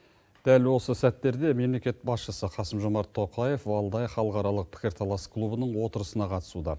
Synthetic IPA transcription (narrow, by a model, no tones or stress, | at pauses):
d̪̥ælwo̞səsæt̪ːe̞ɾd̪e̞me̞mle̞kʲe̞t̪̚bɑsʃəsəqʰɑsəmʒo̞mɑɾt̪ʰːo̞qɑje̞fɑlˠd̪ɑjχɑlˠəqɑɾɑlˠəq̚pʰɪ̥kʲɪɾt̪ʰɑlˠɑsklˠubənəɴwo̞t̪əɾəsənɑqʰɑt̪ə̥sud̪ɑ